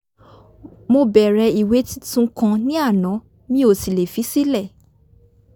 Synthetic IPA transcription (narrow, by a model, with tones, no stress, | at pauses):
mo˧bɛ˨ɾɛ˧i˨we˨˦ti˦tũ˦˧kã˧nĩ˦a˦˨nã˨˦ | nĩ˦o˦˨si˨le˨fi˨˦si˦lɛ˦˨